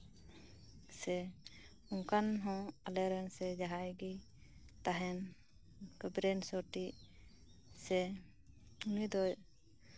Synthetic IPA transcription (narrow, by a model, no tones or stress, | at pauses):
sɛ | uŋkanɦɔ̃alɛɾɛnsɛd͡ʒaɦajɡi | t̪aɦɛn | kəbɾɛnsɔʈi | sɛ | unid̪ɔj